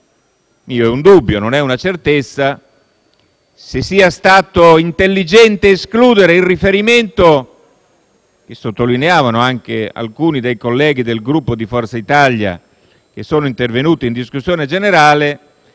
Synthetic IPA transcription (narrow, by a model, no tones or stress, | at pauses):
miːoɛund̪ubːjononɛunat͡ʃert̪et̪sːa | sesːiːast̪aːt̪oint̪elːid͡ʒɛnt̪eːskluːd̪eɾeilrifeɾiment̪o | k̟esːot̪ːolineaːvanoaŋk̟ea̰lkuːnid̪ejkolːɛːɡ̟id̪elɡɾupːod̪ifɔrt̪sait̪alja̰ | k̟esːoːnoint̪ervenuːt̪ind̪iskusjoːned͡ʒeneɾaːle